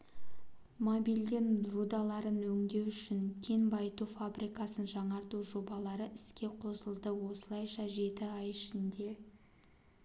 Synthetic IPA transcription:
mobild̪enrud̪ɑlˠɑɾənwɵŋd̪e̞wʏʃɪŋkʲʰe̞nbɑjt̪ufabɾʔijkɑsənʒɑɴɑɾt̪uʒo̞bɑlˠɑɾəʔɪskʲe̞qʰo̞səlˠd̪əwo̞səlˠɑjʃɑʒe̞t̪ɪɑjɪʃɪnd̪e̞

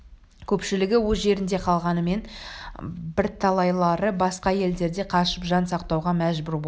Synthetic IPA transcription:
kʲʰɵpʃɪlɪɡʲɪwozʒe̞ɾɪnd̪e̞qʰɑlˠʁɑnəme̞n | bɪɾt̪ʰɑlˠɑjlˠɑɾəbɑsqɑje̞ld̪e̞ɾd̪e̞qʰɑʃəpʒɑnsɑqt̪ɑwʁɑmæʒbɪɾbo

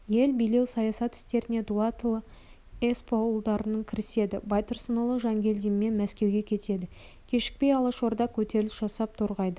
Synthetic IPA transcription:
je̞lbijle̞wsɑjɑsɑt̪ɪ̥st̪e̞ɾɪne̞d̪uat̪lˠə | espʰowəlˠd̪ɑɾənəɴkʲʰɪɾɪse̞d̪ɪbɑjt̪əɾsənəlˠəʒɑŋɡʲe̞ld̪imme̞nmæskʲe̞wɡʲe̞kʲʰe̞t̪e̞d̪ɪ | kʲʰe̞ʃɪ̥k̚pe̞jɑlˠəʃo̞ɾd̪ɑkʲʰɵt̪e̞ɾlɪsʒ̥ɑsɑp̚t̪ʰoɾʁɑjd̪ə

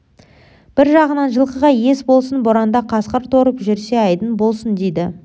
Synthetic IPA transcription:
b̥ɪɾʒɑʁənɑnʒəlˠqəʁɑje̞sbo̞lˠsənboɾɑnd̪ɑqʰɑsqəɾt̪ʰoɾəpʒʏɾse̞ɑjd̪ənbo̞lˠsənd̪ejd̪ɪ

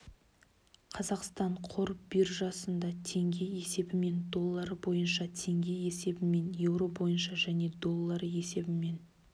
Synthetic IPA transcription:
qʰɑzɑqst̪ɑɴqʰo̞ɾbɪɾʒɑsənd̪ɑt̪ʰe̞ŋɡʲe̞je̞se̞bɪme̞nd̪o̞lˠːɑɾbo̞jənʃɑt̪ʰe̞ŋɡʲe̞jese̞bɪme̞nje̞wɾo̞bo̞jənʃɑʒæne̞d̪o̞lˠːɑɾe̞se̞bɪme̞n

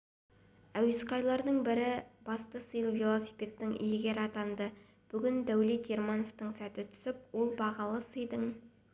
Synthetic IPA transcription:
æwɪsqɑjlˠɑɾd̪əɴbɪɾɪb̥ɑst̪əsəjəlˠvelˠo̞sijpʲe̞t̪ːɪŋʔḭjɪɡʲe̞ɾɑt̪ɑnd̪ə | b̥ʏɡʲɪnd̪æwlit̪eɾmɑnoft̪əɴsæt̪ɪt̪ʰʏ̥sɪpwo̞lˠbɑʁɑlˠəsəjd̪əɴ

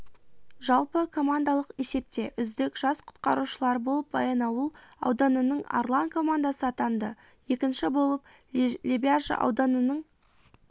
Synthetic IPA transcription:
ʒɑlˠpəkʰo̞mand̪alˠəqe̞se̞p̚t̪e̞ʔʏzd̪ɪkʒɑsqʰʊ̥t̪qɑɾuʃəlˠɑɾəbo̞lˠəp̚bɑ̰jɑnɑwəlˠɑ̰wd̪ɑnənəɴa̰rlˠankʰo̞mand̪asəɑt̪ɑnd̪ə | je̞kʲɪnʃɪbo̞lˠəplʲebʲiaʒə̰ʔɑ̰wd̪ɑnənəɴ

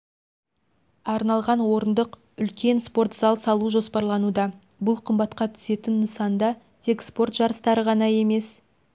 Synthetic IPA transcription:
ɑɾnɑlˠʁɑnwo̞ɾənd̪əq | ʏlkʲe̞nspo̞rt̪z̥ɑlˠsɑlˠuʒo̞spɑɾlˠɑnud̪ɑ | bʊlˠqʰəmbɑt̪qɑt̪ʰʏ̥se̞t̪ɪnːəsɑnd̪ɑ | t̪ʰe̞kspo̞rt̪ʒɑɾəst̪ɑɾəʁɑnɑje̞me̞s

